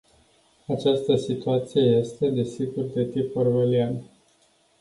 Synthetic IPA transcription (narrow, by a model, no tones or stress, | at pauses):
at͡ʃast̪əsit̪uat̪sije̞je̞st̪e̞d̪e̞siɡurd̪e̞t̪ipərvelian